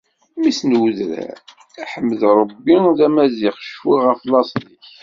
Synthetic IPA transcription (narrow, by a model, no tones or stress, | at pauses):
misnəwðɾæ̰ | æħəmːəðɾˤəbːiðæmæziχʃfiʁəflɑsˤðiç